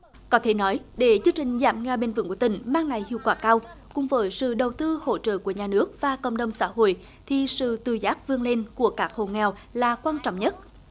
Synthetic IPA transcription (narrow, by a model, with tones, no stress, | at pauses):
kɔ˨˦t̪ʰe˧˩nɔ˨˦jɗe˧˩zɨ˧əŋt͡ɕï˨˩ŋ̟za̰ː˧˩mŋaː˧˩ɓe˧nvɨ̰˧˥˦kt̪ï˧˩ŋ̟maː˧ŋŋa˨˩jhḭ˧˨əwkwaː˧˩kaː˧wkʊ̰˨˩ŋ͡mvəː˨˦jsɨ̰˧˨ɗə˨˩wt̪ɨ˧ho̰˧˨t͡ɕə̰ː˧˨ku˧˩əɲaː˨˩nɨ˦˥ək̚vaː˨˩kə̰˧˨wŋ͡mɗə˧˩wŋ͡msa̰ː˧˥ɦo̰˧˨j | t̪ʰi˨˩sɨ̰˧˨t̪ɨ˨˩zaː˦˥k̚vɨ˧əŋle˧nku˧˩əkaː˦˥k̚ho̰˧˨ŋɛ˨˩w | laː˨˩kwaː˧nt͡ɕɔ̰˧˨wŋ͡mɲə˦˥t̚